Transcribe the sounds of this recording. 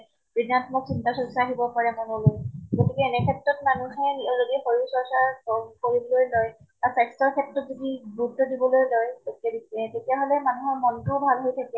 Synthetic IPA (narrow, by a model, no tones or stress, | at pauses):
b̥ɹidantʰɔmɔksintasɔɹisaːɦibɔpaɹɛmɔnɔlojɡotikɛːnɛkʰɛtɹɔtmanuɦɛniɔzodiɛxoɹusɔɹsaɹɔkoɹibɔlojloj | asajkstɔɹkʰɛtɹɔtzodibɹudɔdibɔlojlojɡotiadisɛtetijaɦolɛmanuɦɔɹmɔntʊbʱalɦojtʰakɛ